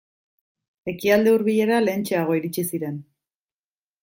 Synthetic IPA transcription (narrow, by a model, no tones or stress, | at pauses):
e̞kiald̪e̞uɾβiʎe̞ɾale̞ːnt͡ʃe̞aɣ̞o̞iɾit͡ʃisiɾe̞n